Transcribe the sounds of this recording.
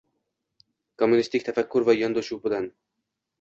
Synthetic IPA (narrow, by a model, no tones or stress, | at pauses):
kʰomːunist̪ɪk̚ʲt̪ʰafakʰʲːʊɾvajɒnd̪ɒʃuwbɪlan